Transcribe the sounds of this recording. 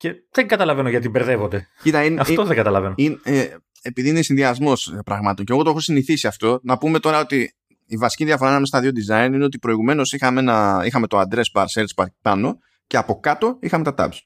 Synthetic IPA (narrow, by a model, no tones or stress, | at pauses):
ce̞ðeŋɡɐt̪ɐlɐve̞noʝɐt̪ibeɾðevo̞nd̪ecit̪ɐinɐft̪oðeŋɡɐt̪ɐlɐvenoine | epiðiinesinðiɐzmo̞spɾɐɣmɐt̪o̞ɲce̞ɣot̪oe̞xo̞siniθisiɐft̪o̞nɐpume̞t̪o̞ɾɐo̞t̪iː | vɐsi̥ciðiɐfo̞ɾɐnɐmest̪ɐðiod̪izɐinineot̪ipɾo̞iɣume̞no̞sixɐmeenɐixɐme̞t̪oɐnd̪ɾe̞spɐɾseɾt̪spɐpɐno̞ | ceɐpo̞kɐt̪o̞ixɐme̞t̪ɐt̪ɐ̰bs